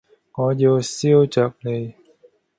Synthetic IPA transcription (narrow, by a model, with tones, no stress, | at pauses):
ŋɔː˨˧jiː˧wsiː˥wt͡ʃœː˨˧k̚le˨˧j